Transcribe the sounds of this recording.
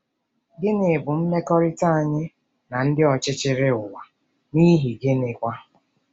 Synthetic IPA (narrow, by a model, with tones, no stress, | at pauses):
ɡɪ˦nɪ˨bʊ˨m̩˦me˦kɔ˦ɾɪ˦ta˦a˨ɲɪ˦ | na˨n̩˦dɪ˦ɔ˨t͡ʃɪ˦t͡ʃɪ˦ɾɪ˦ʊ˨wa˨ | ni˦ɦi˨ɡe˦nɪ˨kʷa˦